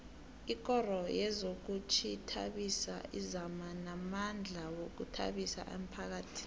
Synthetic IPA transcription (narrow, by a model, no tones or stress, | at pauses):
ik̬ɔrɔjɛzok̬ut͡ʃʰitʰa̰ɓisa̰ʔizamanamand͡ɮʱawok̬utʰa̰ɓisa̰ʔem̩pʰak̬aːtʰi̥